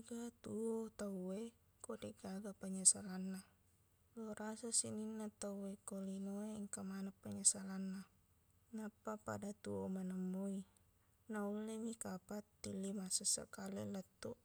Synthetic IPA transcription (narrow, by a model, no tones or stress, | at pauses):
ɡat̪uot̪awe | kodɛɡaɡapaɲasalanːa | loɾasasininːat̪awekolinoeŋkamanapːaɲasalanːa | napːapa̰dat̪uomanamːoi | naulːemikapat̪ːilːimasasa̰kalilət̪ːu